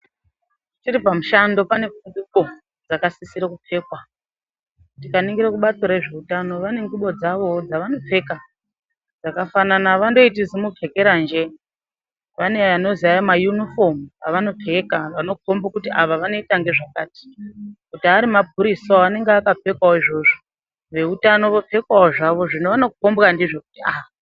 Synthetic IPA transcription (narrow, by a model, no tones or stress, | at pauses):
tiɾipamuʃando̞pane̞fund͡ziko̞ | d͡zakasisiɾakupe̞ːkwa | tikaniŋɡiɾekuɓat͡soɾe̞ʐe̞utano̞ʋane̞ŋɡuɓo̞d͡zaʋo̞d͡zaʋano̞p͡fe̞ka | d͡zakafananaʋando̞itizimupʰe̞ke̞ɾand͡ʒe̞ | ʋane̞ano̞ziajamajunifo̞mupaʋano̞pʰe̞kaʋano̞kʰo̞mbokutiaʋaʋano̞itaŋɡe̞ʐakaːti̥kutiaɾimap̚ʰuɾisoane̞ŋɡeakap͡fe̞kwaoiʐo̞ʐo | ʋe̞utano̞ʋop͡fe̞kwaoʐaʋo̞ʐinoʋano̞kuko̞mbokandiʐo̞kutia̰ɦa